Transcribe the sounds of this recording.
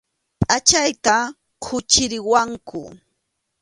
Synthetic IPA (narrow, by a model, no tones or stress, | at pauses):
pʼat͡ʃajt̪a | kʰʊt͡ʃɪɾɪwaŋkʊ̰